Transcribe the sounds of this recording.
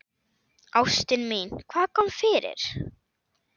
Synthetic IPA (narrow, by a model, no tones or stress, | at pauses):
awst̪ɪnminkʰvaːðkʰɔmfɪɾɪ̰ɾ̥